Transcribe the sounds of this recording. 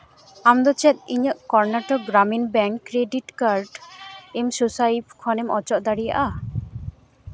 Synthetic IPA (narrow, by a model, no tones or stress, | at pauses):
amd̪ɔt͡ʃɛt̪̚iɲəʔkɔɾnaʈɔɡɾaminbɛŋkːɾeɖiʈkaɾɖemsusajibkʰɔnemɔt͡ʃɔʔd̪aɽija̰ʔa